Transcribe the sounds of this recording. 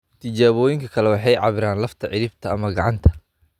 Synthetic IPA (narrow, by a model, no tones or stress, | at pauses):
t̪ʰɪt͡ʃaːβɔːjɪŋkʰɐkʰɐlɛwɑħɑjʕɑ̰βɪɾaːnlɐft̪ʰɐʕɪɾɪbt̪ʰɐːmɐɡɑʕɑnt̪ʰɐ̥